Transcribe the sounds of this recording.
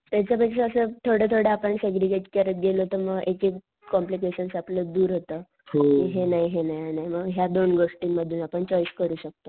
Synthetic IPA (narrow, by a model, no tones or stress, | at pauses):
t̪jat͡ɕjapakʂəːsət̪ʰoɽət̪ʰoɽəapəɳseɡɾiɡeʈkəɾət̪̚ɡeloɦot̪əməɡeke | kɔmplikeɕənsapləd̪uːɾɦot̪ə | kiɦenaɦiɦenaɦianajməɡɦjad̪onɡoʂʈiŋməd̪ʱːuːnapəɳt͡ɕɔjskəɾuːɕək̚t̪o